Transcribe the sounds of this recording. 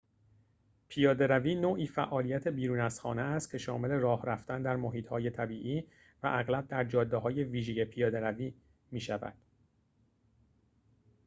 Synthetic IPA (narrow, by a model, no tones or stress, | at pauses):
pʰijɒːd̪e̞ɾæviːnoːʔiːfæʔɒːlijæt̪ʰe̞biːɾuːnæsxɒ̰ːneæst̪cʰe̞ʃɒ̰ːme̞le̞rɒːhɾæft̪ænd̪æɾmoɦiːt̪hɒːje̞t̪ʰæbiːʔiː | væ̰ʔæɣlæb̚d̪æɾd͡ʒɒːd̪ːeɦɒːje̞viːʒeje̞pʰijɒːd̪eɾæviː | miːʃævæ̰d̪̥